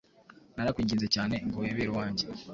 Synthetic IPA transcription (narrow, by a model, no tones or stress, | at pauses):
naɾakwiːɲɟiːnzecaːne̞ŋɡoeβeːɾowaːɲɟe